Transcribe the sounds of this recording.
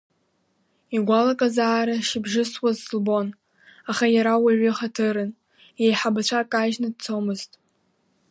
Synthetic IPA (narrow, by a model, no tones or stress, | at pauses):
iɡʷalakʼazaːɾaʃibʒɪswazːlbo̞n | aχajaɾawaɥʷɪχatʰɨɾɨn | jejħabat͡ɕʷʰakʼaʒnadt͡sʰomɨztʼ